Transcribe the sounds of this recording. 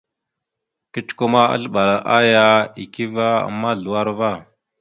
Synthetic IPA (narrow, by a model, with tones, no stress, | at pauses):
ki˦t͡ʃko˦ma˦a̰˦ɮɓa˨ɾa˨ʔa˦ja˦i˨ki˦va˦a̰˨mːa˦ɮu˨wa˦ɾva˦˨